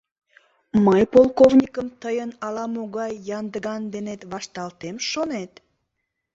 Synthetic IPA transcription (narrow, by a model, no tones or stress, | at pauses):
məjpolˠkovnʲikəmt̪əjənɑlɑmoɣɑjːɑnd̪əɣɑnd̪enet̪βɑʃt̪ɑlt̪emʃonet̪